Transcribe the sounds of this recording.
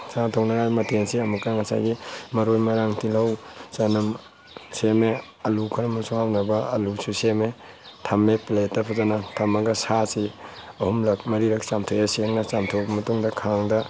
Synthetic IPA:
satʰownɐɡajmɐtʰensiɐmukːɐŋɐsa̰jɡimɐɾojmɐɾaŋtilɐwt͡ʃanɐm | seme | ɐlukʰɐɾɐmusuhawnɐbɐɐlususeme | tʰɐmepletːɐpʰɐzanɐtʰɐmɐɡɐsasiɐhumlɐk̚mɐɾiɾɐk̚samtʰojaseŋnɐsamtʰowbɐmɐtuŋdɐkʰaŋdɐ

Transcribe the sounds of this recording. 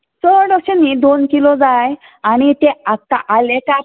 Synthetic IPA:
sɔɽɔkɕənid̪onkilɔd͡zaj | aɽ̃it̪eat̪a̰ʔaleka

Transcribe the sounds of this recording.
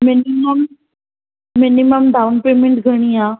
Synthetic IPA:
mɪniməm | ɪniməmd̪ʱaʋnpemɪɳʈɡʱəɽ̃iaː

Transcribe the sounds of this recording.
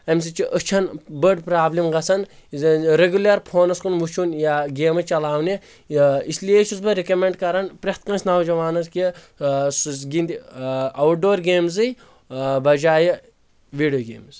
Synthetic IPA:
ɐms̬it͡ʃiʔət͡ʃʰɐnbəɾɖpɾaːblʲimɡɐsɐn | ɾeɡʲulʲɐɾpʰoːnɐskunʋut͡ʃʰunjaɡeːmɨt͡ʃɐlaːwni | isliet͡ʃʰusbɐɾekɐmʲeɳɖkɐɾɐnpɾɐht̪̚kɐ̃nsʲnaːwd͡ʒɐʋaːnɐzki | ssɡind̪iɐwʈ̚ɖoːɾɡeːmzɨj | bɐd͡ʒaːji | ʋiːɖijoːɡḛːmz

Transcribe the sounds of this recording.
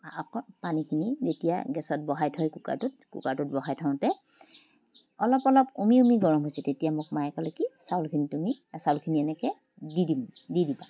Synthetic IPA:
akɔnpanikʰinizetija̰ɡɛsɔt̚bɔɦajtʰɔjkuka̰tʊt̚kṵkatut̚bɔɦajtʰɔ̃ʊ̃tɛ | ɔlɔpɔlɔpumiumiɡɔɹɔmɦojsɛtetijamʊk̚majɛkɔlekisawlkʰinitumisawlkʰiniɛnɛkɛ | didimdidiba

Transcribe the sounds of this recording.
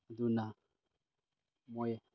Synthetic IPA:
duna | mɔjɛ

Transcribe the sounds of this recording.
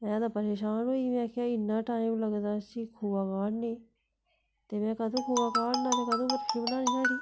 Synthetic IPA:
ɛ̃ːd̪aːpəɾeːʃaːnɦoːiːmɛ̃ːkjaːɪnːãːʈaːĩmləɡd̪aːsikʰuːbaːkaːɽneː | t̪eːmɛ̃ːkəd̪ʱõːkʰuːbaːkaːɽnãːɾeːkəd̪õːbəɾkʰiːbənãːnĩd͡ʒãːɾiː

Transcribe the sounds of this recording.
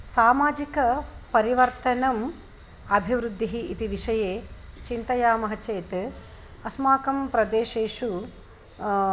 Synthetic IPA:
saːmaːd͡ʒikɐpɐɾiʋɐɾt̪ɐnɐm | ɐbʱiʋɾud̪ʱːiɦiit̪iʋiʂɐjeːt͡ʃint̪ɐjaːmɐɦɐt͡ʃeːt̪ | ɐsmaːkɐmpɾɐd̪eːʃeːʂu

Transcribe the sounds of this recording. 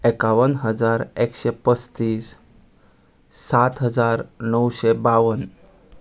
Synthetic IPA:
ekaʋənɦəd͡zaɾekɕepəst̪iːs | at̪ɦəd͡zaɾnəwɕebaʋən

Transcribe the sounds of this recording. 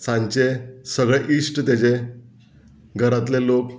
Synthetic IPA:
sãɲt͡ɕesəɡɭeʔisʈt̪et͡ɕe | ɡʱəɾat̪lelok

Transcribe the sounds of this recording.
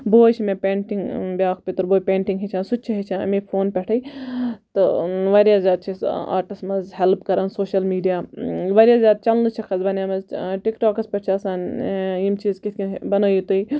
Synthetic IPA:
boːjt͡ʃʰimẽpʲeːɳʈiŋɡbjaːkʰpit̪ɐɾboːjpʲeːɳʈiŋɡɦet͡ʃʰãːnsut̪̚t͡ʃʰiɦet͡ʃʰãːɐ̰mipʰoːnpʲɛʈʰɐjt̪ɨʋaɾjaːzjaːd̪̚t͡ʃʰisa̰ːɾʈismɐzɦelpkɐɾaːnsoːʃɐlmiːɖijaːʋɐɾjaːzʲjaːd̪̚t͡ʃɐlnɨt͡ʃʰikʰɐzbɐnjaːmɐzʈikʈoːkɐspʲɐʈt͡ʃʰiɐsaːnimt͡ʃizkit̪ʰkʲinbɐnoːjit̪ui

